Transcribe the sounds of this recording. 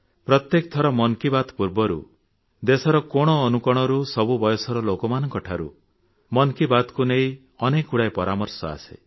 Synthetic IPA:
pɾɔt̪jekt̪ʰɔɾɔmɔnkibat̪puɾbɔɾṵ | d̪esɔɾɔkoɽ̃ɔːnukɔɽ̃ɔɾusɔbubɔjɔsɔɾɔlokɔmanɔŋkɔʈʰaɾṵ | mɔnkibat̪kunei | ɔnekuɽajpɔɾamɔɾsɔa̰sḛ

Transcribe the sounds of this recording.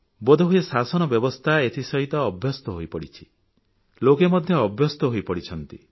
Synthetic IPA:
bod̪ʱɔɦujesasɔñɔbjɔbɔst̪ʰaet̪ʰisɔɦit̪ɔːbʱjɔst̪ɔɦojpɔɽit͡ʃʰi̥ | lokemɔd̪ʱjɔːbʱjɔst̪ɔɦojpɔɽit͡ʃʰɔnt̪ḭ

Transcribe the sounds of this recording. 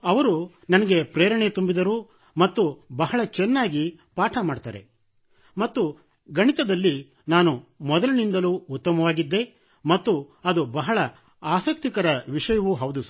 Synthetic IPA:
ɐʋɐɾu | nɐnɐɡe̞pɾeːɾɐɳet̪umbid̪ɐɾuː | mɐt̪ːubɐɦɐɭɐt͡ʃɛnːaːɡipaːʈʰɐmaːɽt̪a̰ːɾe̞̰ | mɐt̪ːu | ɡɐɳit̪ɐd̪ɐlːi | naːnumɔd̪ɐlɐnind̪ɐluːt̪ːɐmɐʋaːɡid̪ːe̞ | mɐt̪ːuɐd̪ubɐɦɐɭɐ | aːsɐk̚t̪ikɐɾɐʋiʂɐjɐʋuɦɐwd̪us

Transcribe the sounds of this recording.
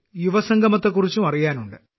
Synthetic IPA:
juʋɐsɐŋɡɐmɐt̪ːe̞k̬ːurit͡ɕːumɐrijaːnuɳɖɨ

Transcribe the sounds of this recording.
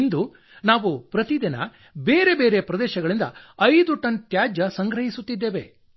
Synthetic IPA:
nd̪u | naːʋupɾɐt̪id̪inɐ̰ | beːɾe̞beːɾepɾɐd̪ɛːʃɐɡɐɭind̪ɐ̰ɐjd̪uʈɐnt̪jaːd͡ʒɐsɐŋɡɾɐɦisut̪ːid̪ːeːʋe̞

